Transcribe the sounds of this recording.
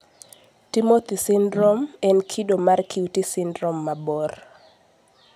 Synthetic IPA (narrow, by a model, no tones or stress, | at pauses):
timot̪isɪndɾomɛnkʰidomarkʰiutisɪndɾomːabɔr